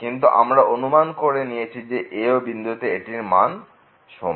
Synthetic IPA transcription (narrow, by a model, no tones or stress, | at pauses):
kint̪̬uʔa̰mɾaonumankoɾenijet͡ɕʰid͡ʑeʔeobind̪ut̪eeʈiɾma̰n | ʃɔ̰m